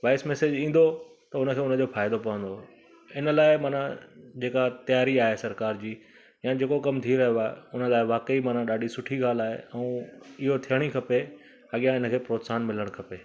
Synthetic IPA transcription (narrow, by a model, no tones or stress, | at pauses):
ʋaːɪsmɛːsed͡ʑĩːn̆d̪o | t̪ɐʊnəkʰeːʊnə̆d͡ʑoːfaːɪd̪opɐʋə̃nd̪o | ɪnə̆laːɪmaːnã̰d͡ʑeːkat̪ɐjaːɾiaːɦesɐɾkaːɾd͡ʑiː | jãd͡ʑeːkokɐmt̪ʰiɾɐɦjoaːɦḛʊnə̆laːɪʋaːkəimaːn̤ãɗaːɖisʊʈʰiɡaːlaːɦḛɛ̃ũːɪɦot̪ʰijəɽ̃ikʰɐpe | ɐɠijãɪnə̆kʰeːpɾoːt̪saːnmɪləɽ̃kʰɐpeː